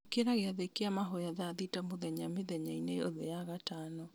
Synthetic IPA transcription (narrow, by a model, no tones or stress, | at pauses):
keɾaɣeaðekeamaɦojaðaðitamoðɛɲamɪðɛɲaineoðɛ̰jaɣatanɔ